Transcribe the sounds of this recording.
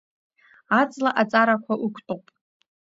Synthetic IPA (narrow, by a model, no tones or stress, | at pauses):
at͡sʼlaʔat͡sʼaɾakʷʰaʔukʷʰtʼopʼ